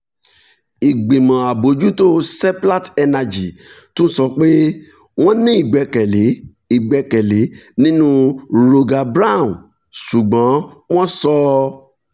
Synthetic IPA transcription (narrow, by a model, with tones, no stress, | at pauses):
i˨ɡ͡bĩ˨mã˨a˨bo˨˦d͡ʒu˦to˦sɛ˦pla˦tɛ˧na˧d͡ʒi˨tũ˦sɔ˧k͡pe˦ | w̃ɔ̃˦nĩ˦i˦˨ɡ͡bɛ˨˧kɛ˨le˨˦ | i˨ɡ͡bɛ˨˧kɛ˨le˨˦nĩ˦nũ˦ɾo˧ɡa˧bɾa˦˨ũ˨ | su˨ɡ͡bã˨˦w̃ɔ̃˦sɔ˧